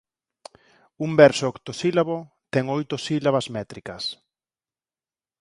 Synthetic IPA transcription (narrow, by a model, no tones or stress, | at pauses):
umbɛɾsoɔkt̪osilaβo | t̪ɛŋojt̪ʊsilaβɐzmɛt̪ɾikɐs